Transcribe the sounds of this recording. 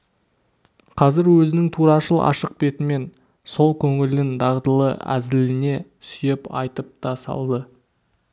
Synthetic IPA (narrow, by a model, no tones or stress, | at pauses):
qʰɑzɪɾwɵzɪnɪŋt̪ʰuɾɑʃəlˠɑ̰ʃəq̚be̞t̪ɪme̞n | so̞lˠkʲʰɵŋɪlɪnd̪ɑʁd̪əlˠə̰æ̰zɪlɪne̞ | sʏjepɑ̰jt̪əp̚t̪ɑsɑ̰lˠd̪ə